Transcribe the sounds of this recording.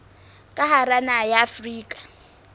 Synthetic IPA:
kʼaɦaɾanajaːfriːkʼḁ

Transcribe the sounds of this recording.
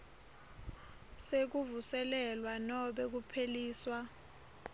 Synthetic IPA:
sek̬uvusɛlɛlwanɔɓek̬upʰeliːswa

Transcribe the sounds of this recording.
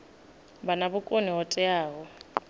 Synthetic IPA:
banabʊkʼoniɦɔtʼɛaːɣɔ

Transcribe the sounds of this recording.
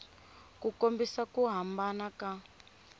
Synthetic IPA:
kukombisakuɦambanaka

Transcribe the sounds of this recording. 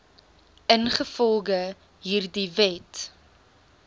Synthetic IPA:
ənχəfɔlˠɡə | ɦiːrdivɛt

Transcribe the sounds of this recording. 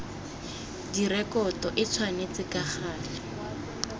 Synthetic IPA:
dirɛkɔtɔʔɪt͡sʰwanet͡sɪkaχaːlɪ

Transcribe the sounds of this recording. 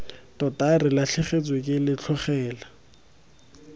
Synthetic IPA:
tɔtʼarɪlaɬʰɪχet͡sʼwekʼɪlɪt͡ɬʰɔχɛːla

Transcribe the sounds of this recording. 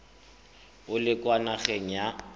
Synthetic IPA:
ʊlɪkʼwanaɣeŋ̩ja

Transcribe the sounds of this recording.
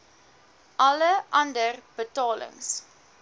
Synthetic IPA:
ʔɐləʔɐndərb̥ətɑːlə̰ŋs

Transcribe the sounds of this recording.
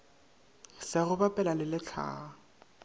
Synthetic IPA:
sɪɣʊbapʼɛlalɪlɪt͡ɬʰa̰ː

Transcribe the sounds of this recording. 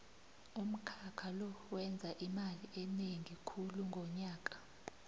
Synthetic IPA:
um̩kʰakʰalɔwɛnd͡zʱaʔimaliʔɛneŋʱikʰuluŋɡʱɔɲaːk̬ʼḁ

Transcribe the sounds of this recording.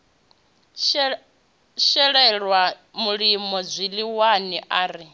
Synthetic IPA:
ʃɛɺɛɺwa | muɺimɔd͡zʷiliwaniʔaːɾi

